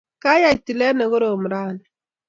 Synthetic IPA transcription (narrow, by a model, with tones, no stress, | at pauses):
ka˦ja˨ti˨lɛ˦ne˨ɣo˦ɾo˨m˨ɾa˦˨n˨